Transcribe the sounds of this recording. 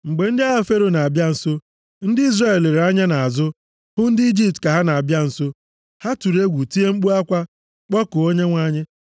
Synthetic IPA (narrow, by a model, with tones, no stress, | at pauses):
ŋ͡m̩˨ɡ͡be˨n̩˦dɪ˦a˦ɦa˦fe˦ɾo˦na˨a˨bja˦n̩˨so˦ | n̩˦dɪ˦i˦zra˦˨le˨ɾa˦ɲa˦na˨a˨zʊ˦ | hʊ˦n̩˦dɪ˦i˦d͡ʒi˦p̚tka˨ɦa˦na˨a˨bja˦n̩˨so˦ | ha˦tu˨ɾe˦ɡʷu˨ti˦e˦ŋ͡m̩˦k͡pu˦a˦kʷa˦ | k͡pɔ˦kʊ˨o˦ɲe˦ŋʷa˦ɲɪ˦